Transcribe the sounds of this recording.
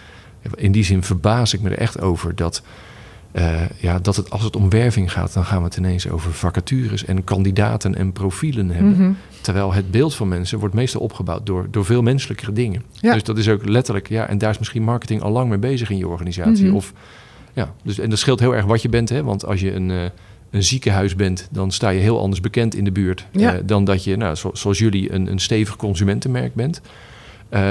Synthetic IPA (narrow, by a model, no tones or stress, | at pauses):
ja̰ɪndizɪnvəɹbaːzɪk̚mədə̰ɹʔɛ̰χto̰wvəɹdɑt | əjadɑtətɑ̰lˠsətɔmʋɛɹvɪŋχa̰ːt̚dɑnχaːnʋətʰɪnejnso̰wvəɹvɑkatyːrəsɛ̰nkɑndida̰ːtənʔɛ̰nprowfilənɦɛbbən | təɹʋɛjlˠɦəd̚bɪːlˠtfɑnmɛnsənʋɔɹtmejstɑlˠɔ̰pχəba̰wt̚dʊːɹdʊːɹvɪːlˠmɛnsələkərədɪŋən | døsdɑtɪsowklɛtəɹləkja̰ʔɛ̰ndaːɹɪsmɪsχinmɑɹkətɪŋʔɑ̰lˠlɑŋmejbejzəχɪnjəɔ̰ɹχaːnizaːsiɔf | jadøsɛndɑtsχɪlˠtɦɪːlˠɛɹχʋɑtjəbɛntɦɛʋɑ̰ntʰɑ̰lˠs̬jəən | ənzikəɦœɥzbɛntdɑnstaːjəɦɪːlˠʔɑ̰ndəɹzbəkɛntɪ̰ndəbyːɹtdɑndɑtjənassoɑlˠsjɵliə̰nə̰nstejvəχkɔnzymɛntənmɛ̰ɹk̚bɛnt | ə